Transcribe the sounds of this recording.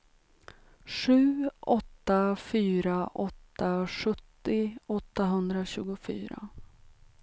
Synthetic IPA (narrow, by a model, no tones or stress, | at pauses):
ʂʉ̟ːʔɔt̪ːafyːɾaʔɔt̪ːaʂɵt̪ːɪɔt̪ːaɦɵnd̪ɾaɕʉ̟ːɡʊfy̰ːɾa̰